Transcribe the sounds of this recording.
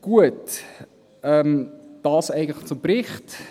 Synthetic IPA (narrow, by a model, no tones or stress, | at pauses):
ɡ̥uət | ɛmd̥ɑːsæɪɡən̩tlχt͡sʊmpɾɪχt